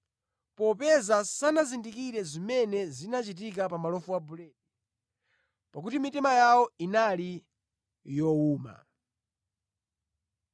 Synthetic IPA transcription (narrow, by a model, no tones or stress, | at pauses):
pɔpɛzasanazindikiɾɛzimɛnɛzinat͡ʃit̬ik̬apamalɔfuabulɛːdi | pakutimitɛmajawɔinali | jɔuːma̰